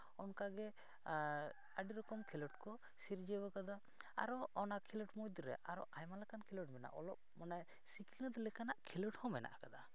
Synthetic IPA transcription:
ɔnkaɡɛ | aɖiɾɔkɔmkʰilɔʈkɔ | siɾd͡ʒɛbɔkad̪a | a̰ɾɔɔnakʰilɔʈmɔjd̪ɾɛ̰ʔaɾɔʔajmalakankʰilɔʈmɛna̰ʔɔlɔp̚manaj | sikilinɔd̪ɛlɛkanaʔkʰilɔʈhɔmɛna̰ʔakad̪a

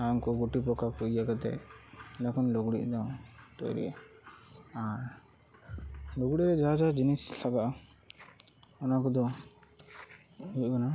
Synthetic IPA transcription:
aŋkɔɡuʈipɔkakujjaɡat̪ɛ̰lɛkʰɔnlɔɡɽḭʔd̪ɔt̪ɔ̰jɾḭɛ̰ | aɾ | lɔɡɽiɾɛd͡ʒaɦad͡ʒad͡ʒinislʰaɡaʔ | ɔnakɔd̪ɔ | ukɔna

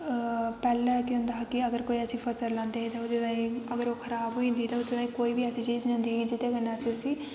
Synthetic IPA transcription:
pɛːlɛ̃ːkʊ̃nd̪aːkɪəɡəɾkoːiːəsĩːpʰəsəɾlãːnd̪eːɦit̪ãʊd̪et̪ãːĩːəɡəɾoːkʰəɾaːbɦoːĩːnd̪iːt̪aːʊd̪eːt̪ãːĩːkoːiːbiːəsĩːt͡ʃiːd͡ʒnãːnd̪iːid͡ʒɪt̪eːɡənːaːsiʊsiː

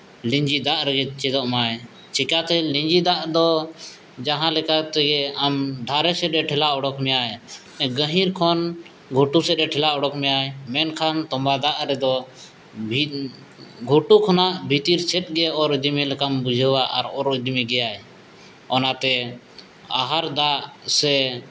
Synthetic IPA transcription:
lĩɲd͡ʒid̪aʔɾɛɡɛt͡ʃɛd̪ɔʔmajɛ | t͡ʃikat̪ɛliɲd͡ʒid̪aʔd̪ɔ | d͡ʒaɦãlɛkat̪ɛɡɛamɖʱaɾɛsɛt̪̚ɛʈʰɛlaʔɔɽɔkmɛjaj | ɛ̃ɡəɦiɾkʰɔn | ɡʱoʈusɛt̪̚ɛʈʰɛlaʔɔɽɔkmɛjajɛmɛnkʰant̪ɔmbad̪aʔɾɛd̪ɔ | bʱi | ɡʱoʈukʰɔnaʔbʱit̪iɾt͡ʃʰɛt̪̚ˀɡɛɔɾid̪imilɛkambud͡ʒʱəwaʔa̰ɾɔɾid̪imiɡɛjaj | ɔnat̪ɛ | a̰ɦaɾd̪aʔsɛ

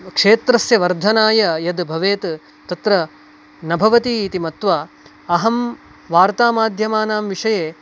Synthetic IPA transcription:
kʂeːt̪ɾɐsjɐʋɐɾd̪ʱɐnaːjɐjɐd̪bʱɐʋeːt̪ | t̪ɐt̪ɾɐ | nɐbʱɐʋɐt̪iːt̪imɐt̪ʋaː | ɐɦɐm | ʋaːɾt̪aːmaːd̪ʱjɐmaːnaːmʋiʂɐjeː

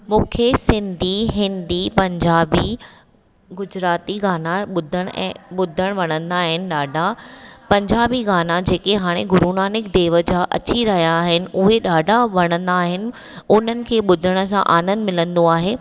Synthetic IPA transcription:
mũːkʰesɪ̃nd̪ʱiɦɪ̃nd̪ipɐ̃ɲd͡ʑaːbi | ɡʊd͡ʑɾaːt̪iɡaːnaɓʊd̪ʱəɽ̃ɛ̰̃ːɓʊd̪ʱəɽ̃ʋɐɽ̃ə̃nd̪aːɦɪnɪ̆ɗaːɖʱapɐ̃ɲd͡ʑaːbiɣaːnad͡ʑeːkeɦaːɽ̃eɡʊɾuːnaːnɪkd̪eːʋəd͡ʑaʔɐ̰t͡ɕiɾɐɦijaːɦɪnɪ̆ʔʊɦeɗaːɖʱaʋɐɽ̃ə̃nd̪aːɦɪnɪ̆ | ʊn̤ənɪ̆kʰeːɓʊd̪ʱəɽ̃ə̆s̬ã̰ʔaːnə̃nmɪlə̃nd̪oaːɦeː

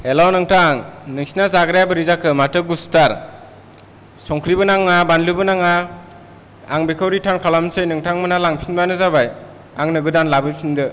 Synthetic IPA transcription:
elawnɯŋtʰaŋnɯŋsinazaɡɾajabɯɾizakʰɯmatɯɡustaɾ | sɔŋkʰɾibɯnaŋːabanlɯbɯnaŋa | aŋbekʰawɾitʰankʰalamsɯjnɯŋtʰaŋmɯnalaŋpʰinbanɯzabaj | aŋnɯɡɯdanlabɯjpʰindɯ

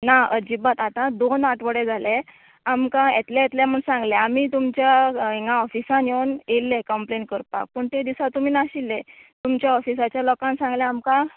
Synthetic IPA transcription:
naəd͡ʑibət̪at̪ãd̪onaʈʰʋəɽed͡zʱale | amkãjet̪lãjet̪ljam̤əɳsãŋɡleamiːt̪umt͡ɕjaeŋɡãɔfisãnjeunelːekəmpleɳʈ̚kəɾpa̰k̚pəɳt̪ed̪isat̪um̤iːnaɕilːet̪umt͡ɕjaɔfisat͡ɕjalɔkãnsãŋɡlɛamkã

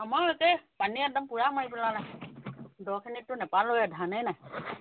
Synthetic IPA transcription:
amaɹɔkɛpaniɛk̚dɔmpuɹamaɹipɛlanaj | dɔkʰinitːʊnɛpalojɛdʱanɛjnaj

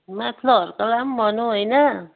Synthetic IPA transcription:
mat̪ʰlɔɾkalambɔnojna

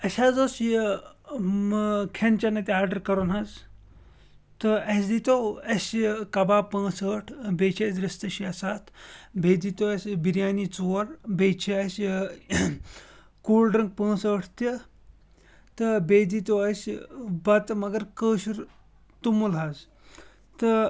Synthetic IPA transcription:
ɐsʲaːd͡zoːsi | mkʰent͡ʃɐnɐt̪ʲiaːɾɖəɾkɐɾunɦaz | t̪ɨɐsd̪it̪oɐsʲkɐbaːpə̃ːsəːʈʰbeːt͡ʃʰezɾɐst̪ɐʃiɐsaːt̪ʰbeːd̪it̪oɐsʲbiɾjaːnit͡soːɾbeːt͡ʃʰiɐs | kuːlɖɾɐŋɡk̚pə̃ːsəːʈʰt̪i | t̪əbed̪it̪oɐsbɐt̪mɐɡɐɾkəːɕuɾ | t̪umulɦɐz | t̪ə

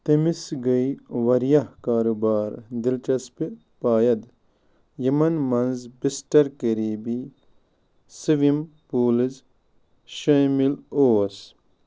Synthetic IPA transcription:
t̪ɐmisɡɐiʋɐɾjɐhkaːɾubaːɾd̪ilt͡ʃɐspi | paːjɐd̪ | jɐmɐnmɐnzbisʈɐɾkɐɾiːbi | sɨʋimpuːliz | ʃɐmiloːs

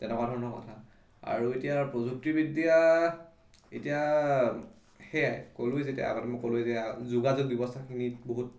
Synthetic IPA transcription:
tɛnɛkɔadʱɔɹɔnɔkɔ̰tʰa | a̰ɹuetijapɹozuk̚tibidija | ḛtija | xɛajkolʊjzetija̰a̰ɡɔtɛmɔkolʊɛzɛazuɡazɔɡ̚dibɔstʰakʰiniboɦut̚

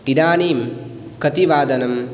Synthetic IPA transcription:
iɾaːniːm | kɐt̪iʋaːd̪ɐnɐm

